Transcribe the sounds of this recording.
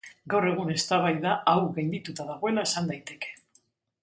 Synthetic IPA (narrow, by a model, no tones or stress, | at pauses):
ɡawre̞ɣ̞une̞st̪aβ̞ajðaʔawɾɣajnd̪it̪ut̪aðaɣo̞e̞lae̞sand̪ajt̪e̞ke̞̥